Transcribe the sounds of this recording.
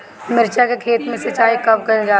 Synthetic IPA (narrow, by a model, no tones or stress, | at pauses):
mɪɾt͡ʃakekʰeːt̪mẽsɐt͡ʃaːikɐbkɐɾed͡ʒaː